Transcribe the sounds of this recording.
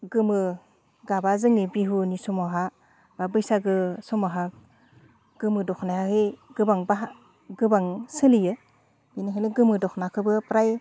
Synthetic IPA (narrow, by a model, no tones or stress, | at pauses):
ɡɯmɯ | ɡabazɯŋibiɦunisɔmaɦa | babɯjsaɡɯsɔmaɦa | ɡ̥ɯmɯdɔkʰnahahɯɡɯbaŋbaɦ | ɡɯbaŋsɯlijɯ | binaɦenɯɡɯmɯdɔkʰnakʰɯbɯpɾaj